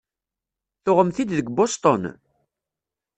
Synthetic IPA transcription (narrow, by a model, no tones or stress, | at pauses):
θoʁəmθid̪ðəɡbost̪ˤɔn